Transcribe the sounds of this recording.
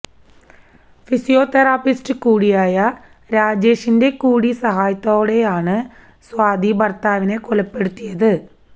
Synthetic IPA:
fisijo̞ːt̪eraːpistɨkuːɽijaːjɐ | ɾaːd͡ʑe̞ːʂinde̞kuːɽisɐɦaːjɐt̪ːoːɽe̞jaːɳɨ | swaːd̪ibɐrt̪aːʋine̞kolɐpːe̞ɽut̪ːijɐðɨ

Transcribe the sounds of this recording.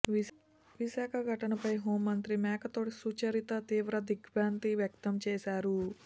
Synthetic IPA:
ʋiʃaːkʰɐɡʱɐʈɐnɐpɐjɦoːmːɐnt̪ɾimɛːkʰɐt̪o̞ːʈisuːt͡ʃɐɾit̪ɐt̪iːʋɾɐd̪iɡʋjaːnt̪iʋjɐk̚t̪ɐmt͡ʃɛːsaːɾu

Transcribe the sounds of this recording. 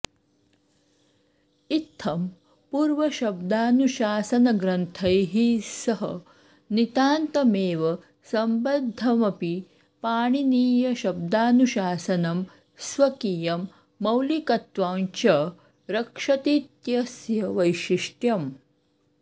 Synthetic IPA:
it̪ʰːɐm | puːɾʋɐʃɐb̚d̪aːnuʃaːsɐnɐɡɾɐnt̪ʰɐjɦisɐɦɐ̰ | nit̪aːnt̪ɐmeːʋɐ | sɐmbɐd̪ʱːɐmɐpi | paːɳ̃iniːjɐʃɐb̚d̪aːnuʃaːsɐnɐm | sʋɐkijɐmː | ɐwlikɐt̪ʋaːnt͡ʃɐ | ɾɐkʂɐt̪it̪jɐsjɐʋɐjʃiʂʈjɐm

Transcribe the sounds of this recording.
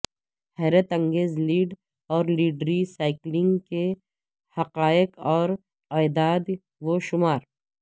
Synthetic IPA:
hɛːɾət̪ɐ̃ŋɡeːzliːɖ | ɔːɾliːɖɾisaːɪklɪ̃ŋɡke | hɐqaːjɪqɔːɾ | aːd̪aːd̪ | ʋoʃʊmaːɾ

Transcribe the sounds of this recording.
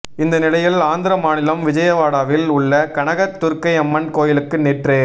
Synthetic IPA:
ɪnd̪ɐnɪɽɐjɪlaːnd̪ɪɾɐmaːnɪlɐmʋɪd͡ʒɐjɐʋaːɽaːʋɪlʊɭːɐkɐɳɐɣɐt̪ːʊɾkɐɪɛmːɐnkoːjɪlɯkːɯnɛʈreː

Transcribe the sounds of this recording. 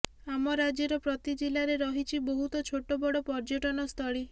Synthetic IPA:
amɔɾad͡ʒɔɾɔpɾɔt̪id͡ʒilaɾeɾɔɦit͡ʃʰibɔɦut̪ɔt͡ʃʰoʈobɔɽɔpɔɾd͡ʒoʈɔnɔst̪ʰɔɭi

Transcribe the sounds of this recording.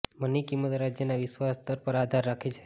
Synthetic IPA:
mənikimət̪ɾad͡ʒjənaʋɪʃʋast̪əɾpəɾad̪ʱaɾːakʰet͡ʃʰe̥

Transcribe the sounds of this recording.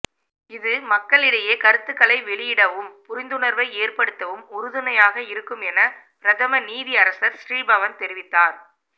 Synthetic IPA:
ɪðɯmɐkːɐɭɪɽɐjɐkɐɾɯt̪ːɯkːɐɭɐɪʋɛɭɪjɪɽɐʋɯmpʊɾɪnd̪ɯɳɐɾʋɐɪeːrpɐɽɯt̪ːɐʋɯmʊɾɯðɯnɐjaːɣɐɪɾɯkːɯmɛnɐpɪɾɐt̪ʰɐmɐniːðiɐɾɐsɐɾsriːbɐʋɐnt̪ɛɾɪʋɪt̪ːaːɾ

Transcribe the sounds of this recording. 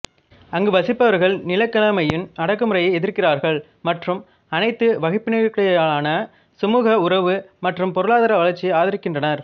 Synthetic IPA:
ɐŋɡɯʋɐsɪpːɐʋɐɾɣɐɭnɪlɐkːɐlɐmɐjɯnɐɽɐk̬ːɯmɯrɐjɐɪɛðɪɾkɪraːɾɣɐɭ | mɐʈrɯm | ɐnɐɪt̪ːɯʋɐɣɪpːɪnɐʋɪkːɐɽɐjaːɭaːnɐ | sʊmuːɣɐʊɾɐʋɯmɐʈrɯmpɔɾɯɭaːðɐɾɐʋɐɭɐɾt͡ʃːiaːðɪɾɯkːɪndrɐnɐɾ

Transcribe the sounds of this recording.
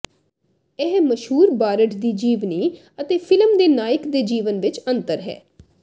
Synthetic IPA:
ɪɦməʃɦuːɾbaːɾəʈd̪iːd͡ʒiːʋniː | ət̪eːpʰɪlmd̪eːnaːɪkd̪eːd͡ʒiːʋənʋɪt͡ʃənt̪əɾɦɛ̰ː

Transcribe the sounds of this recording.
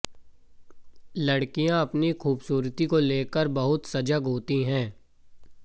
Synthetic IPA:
lɐɽkijãɐpnixʰuːbsuːɾt̪ikoleːkəɾbɐɦʊt̪sɐd͡ʒəɡɦoːt̪iɦɛ̃ː

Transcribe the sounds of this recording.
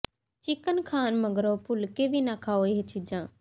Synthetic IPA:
t͡ʃɪkənkʰaːnməɡɾoːpʊlkeːʋiːnaːkʰaːoːeːɦet͡ʃiːd͡ʒãː

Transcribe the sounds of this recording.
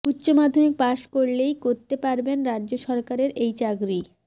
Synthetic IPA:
utːɕomad̪ʱomik̚paʃkoɾlejkoɾt̪epaɾbenɾadːd͡ʑoʃɔɾkaɾeɾejt͡ɕaɡɾi

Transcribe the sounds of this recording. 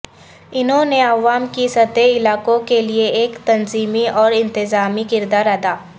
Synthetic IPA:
ɪnɦõneɐʋaːmkisɐt̪eɪlaːkõkelieeːkt̪ɐnziːmiɔːɾɪ̃nt̪ɪzaːmikɪɾd̪aːɾɐd̪aː

